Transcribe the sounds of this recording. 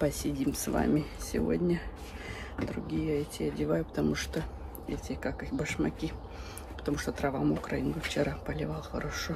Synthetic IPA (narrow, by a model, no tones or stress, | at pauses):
pəsʲɪdʲimsva̰mʲɪsʲɪ̰vo̰dʲnʲə | d̪ɾʊ̰ɡʲijəəɛtʲɪɐdʲɪvajʊpə̥t̪ɐmuʂt̪o | ɛtʲɪkakɨxʲbəʂmɐkʲi | pə̥t̪ɐmuʂt̪ot̪ɾɐvamʊʊkɾɐinɡʊft͡ɕɪɾʔapəlʲɪvalˠxɐɾɐʂo